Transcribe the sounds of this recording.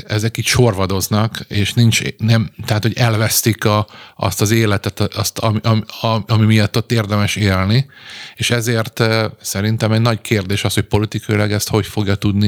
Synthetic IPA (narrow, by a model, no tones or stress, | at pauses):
ɛzɛkiːcʃo̞rvɒd̪o̞znɒkeːʃnint͡ʃnɛmt̪ɛɦaːt̪ho̞ɟɛlvɛst̪ikɒɒ̰st̪ɒzeːlɛt̪ɛt̪ɒst̪ɒmiʔɒmɒmimijɒt̪ːo̞t̪ːeːrd̪ɛmɛʃeːlnieːʃɛzeːrt̪sɛɾint̪ɛmɛɟnɒɟkʰeːrd̪eːʃɒsho̞c̚po̞lit̪ikʰɒjilɒɡɛst̪ho̞cfo̞ɡjɒt̪ud̪ni